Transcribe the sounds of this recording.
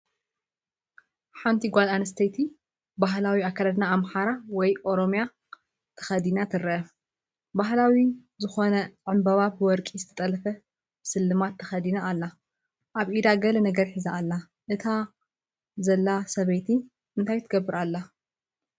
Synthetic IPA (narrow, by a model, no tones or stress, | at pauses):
ħant̪ʰiɡʷazanɨst̪ʰɐjt̪ʰi | baɦlawiakʰːalɐd̪naːmħaɾawɔjʔo̞ɾo̞mja | t̪ʰɐ̥xɐd̪inat̪ʰɨɾɐɐ | baɦlawizɨxo̞nɐʕɨmbɐβabɨwɔɾkʼizɨt̪ʰɐt̪ʼɐlɐfɐ | bsɨlːɨmat̪ʰːɐxɐd̪inaːlːa | ʔaβʔid̪aɡɐlɐnɐɡɐɾħizaʔːlːa | ʔɨt̪ʰa | zɐlːasɐβejt̪ʰi | ɨnt̪ʰajt̪ʰɨɡɐbːɨɾalːa